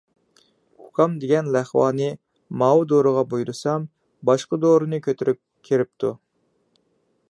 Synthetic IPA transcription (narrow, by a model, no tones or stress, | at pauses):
ukʰɑmd̪eɡʲɛnlæχwɑ̰ːnɨ | mɑwud̪oɾɨʁɑbujɾɨsɑm | bɑʃqəd̪oɾɨnɨkʲʰøt̪ʰyɾʔyp̚ | kʲʰːeɾɪp̚t̪ʰu